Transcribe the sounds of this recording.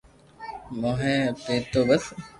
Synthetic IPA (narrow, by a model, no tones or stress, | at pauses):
moɦẽpeːt̪ːoːbəs